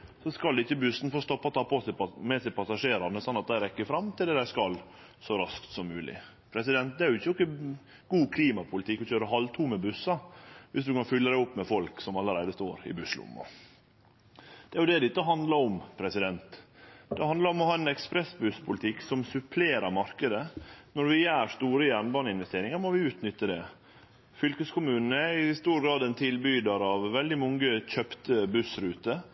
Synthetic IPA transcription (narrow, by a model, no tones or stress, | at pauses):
sɔskɑld̪ɛɪçːəbʉsnfoːst̪ɔpːɑt̪ʰɑːpːosæmɛsæɪpʰɑsɑʂeːɾɑnəsɑnɑt̪̚d̪æɪɾɛkːəfɾɑmt̪ʰɪld̪ɛd̪æɪskɑl | sɔɾɑskt̪sɔmːʉːlɪ̰ | pʰɾɛsɪd̪ɛnt̪d̪ɛæɾjʊɪçːəɔkːə | ɡ̥uːkʰliːmɑpʰʊlɪt̪ʰɪkːɔçøːɾəɦɑlt̪ʰuːmɛbʉsɑʋɪsd̪ʉkɑnfʏlːəd̪æɪʊpːmɛfɔlksɔmɑlːəɾæɪd̪əst̪oːɾɪ̰bʉslʊ̰mːɔ̰ | d̪̥ɛæɾjʊd̪ɛd̪ɛɪt̪ːəɦɑnd̪lɑɾɔmpʰɾɛsɪd̪ɛnt̪d̪̥ɛhɑnd̪lɑɾɔmɔhɑːɛnɛkspɾɛsbʉspʰʊlɪt̪ʰɪksɔmsʉpʰleːɾɑɾmɑɾkəd̪ənɔɾʋɪjæːɾʂt̪uːɾəjænbɑnɪnʋɛst̪eːɾɪŋɑɾmɔʋɪʉːt̪nʏt̪ːəd̪ɛ | fʏlkəskʰʊmʉːnn̩əɪst̪uːɾɡɾɑːd̪ɛnt̪ʰɪlbyːd̪ɑɾɑʋʋɛld̪ɪmɔŋɡəc͡çœpt̪əbʉsɾʉːt̪ə